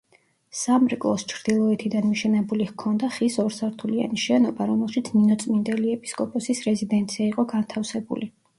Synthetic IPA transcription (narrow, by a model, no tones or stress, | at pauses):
samɾikʼlˠɔst͡ʃʰɾd̪̥ilˠɔɛt̪ʰid̪anmiʃɛnɛbulihkʰɔnd̪aχisɔɾsaɾt̪ʰulia̰niʃɛnɔbaɾɔmɛlˠʃit̪sʰninɔt̪sʼmind̪ɛliɛpʼi̥skʼɔpʼɔsisɾɛzid̪ɛnt̪sʰiaiqʼɔɡant̪ʰafsɛbṵli